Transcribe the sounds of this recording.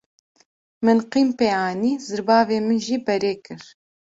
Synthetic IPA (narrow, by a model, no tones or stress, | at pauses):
mɨnqiːmpeːɑːniːzɨɾbɑːveːmɨnʒiːbɛɾeːkɨɾ